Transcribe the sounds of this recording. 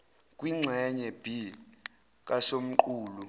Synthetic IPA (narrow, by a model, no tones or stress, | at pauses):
k̬ʼwiŋ͡ǀʱɛɲɛb̥ʱi | k̬ʼasom̩ǃuːlu